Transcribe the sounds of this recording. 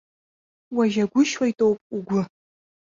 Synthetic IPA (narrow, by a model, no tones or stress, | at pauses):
waʒaɡʷʊʃwajtʼo̞wpʼuɡʷʊ